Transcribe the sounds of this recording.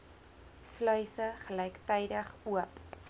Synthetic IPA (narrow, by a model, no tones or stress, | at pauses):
slœɥsəχəlɛjktɛjdəχuəp